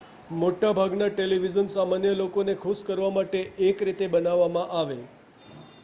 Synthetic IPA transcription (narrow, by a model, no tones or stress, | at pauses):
moʈabʱaɡnaʈeliʋid͡ʒənsamanjəlokonekʰuskəɾʋamaʈeʔekɾit̪ebənaʋːamãʔaʋe